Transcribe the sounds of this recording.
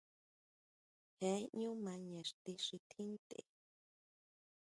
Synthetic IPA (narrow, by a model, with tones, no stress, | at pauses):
hẽ˨˦ɲũ˦mã˧ɲẽ˨ʂt̪i˧ʂi˧t̪ʰĩ˦nt̪ḛ˨